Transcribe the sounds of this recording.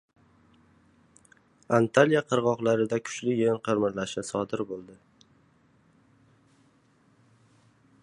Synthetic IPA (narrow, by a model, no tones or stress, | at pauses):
ant̪ʰalijaqʰɨɾʁɒqlˠaɾɪd̪akʰʊ̥t͡ʃlɪjenqʰɨɾmɪɾlaʃɪsɒd̪ɪɾbolˠd̪ɪ